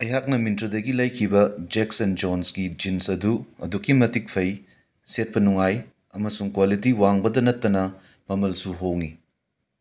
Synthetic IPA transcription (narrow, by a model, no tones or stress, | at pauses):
ɐjɦak̚nɐmintɾɐdɐɡilɐjkʰibɐd͡ʒek̚sɐnd͡ʒonsɡid͡ʒinsɐduɐ̰dukːimɐtik̚pʰɐj | set̚pɐnuŋaj | ɐmɐsuŋkwalit̬iwaŋbɐdɐnɐtːɐnɐ | mɐmɐlsuɦoŋi